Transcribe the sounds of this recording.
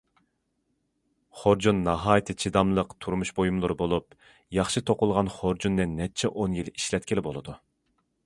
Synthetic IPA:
χoɾd͡ʒunːɑɦɑːjt̪ʰɨt͡ʃʰid̪ɑmlˠəqt̪ʰuɾmuʃbojumlˠɨɾɨbolˠup̚ | jɑχʃɨt̪ʰoqʊlˠʁɑnχoɾd͡ʒunːɨnːɛt͡ʃʰɛʔonjiliʃlɛt̪ʲkʲɪlɪbolˠɨd̪u

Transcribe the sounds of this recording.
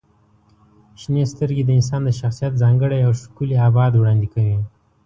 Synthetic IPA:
ʃnest̪əɾɡed̪əɪns̬ɑnd̪əʃaxsijat̪̚zɑŋɡəɽajawʃkuliɑbɑd̪wɽɑnd̪ikawi

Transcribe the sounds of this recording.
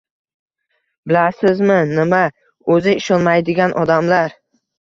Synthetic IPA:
bɪlasɪzmɪnɪma | ɵzɪɪʃɒnmajd̪ɪɡʲanʔɒd̪amlaɾ

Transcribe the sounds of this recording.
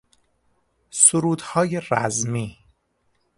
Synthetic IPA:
soɾuːd̪hɒːjeræzmiː

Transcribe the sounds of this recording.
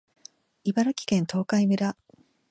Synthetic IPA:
ibaɾakʲi̥kẽ̞nt̪ʰo̞ːkaimɯ̟ɾa

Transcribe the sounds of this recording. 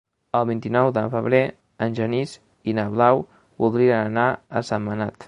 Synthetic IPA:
əlˠβint̪inɔwðəfəβɾe | ənʲʒəniz | inəβlaw | βulˠd̪ɾiənənaə̰səmːənat̪

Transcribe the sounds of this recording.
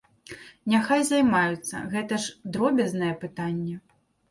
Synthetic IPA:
nʲaxajzajmajut̪sːɐ̰ɣɛt̪ɐʂd̪ɾɔbʲɐznɐjɛpɨt̪anʲːɛ

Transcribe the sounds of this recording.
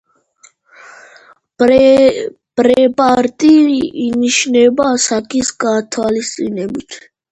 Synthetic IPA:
b̥ɾɛpʼaɾt̪ʼiɾiʔiniʃnɛbaːsakʼisɡaːt̪ʰwalist̪sʼinɛbit̪ʰ

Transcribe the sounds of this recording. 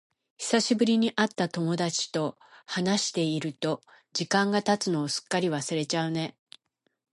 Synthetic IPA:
çʲi̥saɕibɯ̟ɾʲiɲ̟iʔat̪ːat̪o̞mo̞d̪at͡ɕi̥t̪o̞ | hanaɕi̥t̪e̞iɾɯ̟t̪o̞ | d͡ʑikãŋɡat̪at͡sɨno̞ːsɨ̥kːaɾʲiβasɨɾe̞t͡ɕaɯ̟ne̞

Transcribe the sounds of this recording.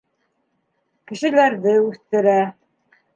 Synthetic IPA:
kɘ̆ʃɘ̆læɾðɘʉθt̪ɘ̆ɾæ

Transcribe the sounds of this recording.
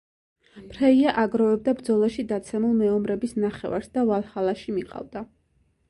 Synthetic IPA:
pɾɛiaʔaɡɾɔvɛb̚d̪abɾd̪zɔlˠaʃid̪at̪sʰɛmulˠmɛɔmɾɛbisnaχɛ̰va̰ɾsd̪avalˠhalˠaʃimiqʼa̰vd̪a

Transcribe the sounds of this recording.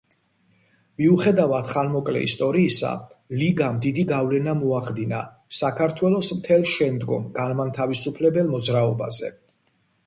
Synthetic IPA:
miuχɛd̪avad̪χanmɔkʼlɛ̰ḭst̪ʼɔɾiːsa̰liɡamd̪id̪iɡavlɛnamɔaχd̪ina̰ | sakʰaɾt̪ʰwɛlˠɔsmt̪ʰɛlˠʃɛnd̪ɡɔmɡanmant̪ʰavisupʰlɛbɛlˠmɔd̪zɾaɔbazɛ̰

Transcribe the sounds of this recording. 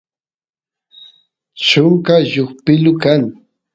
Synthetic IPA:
t͡ʃʊŋkaʒoχpɪlʊkaŋ

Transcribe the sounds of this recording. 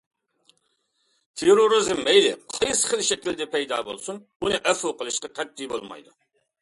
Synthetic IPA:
t̪ʰeɾoɾɨzɪmːɛjlɪqʰɑjsχəlˠʃɛkʲild̪ɛpʰɛjd̪ɑ̰ːbo̰lˠsun | unɨʔɛfoqəlˠɨʃqɑqʰɛt̪ːijbo̰lˠmɑ̰jd̪u

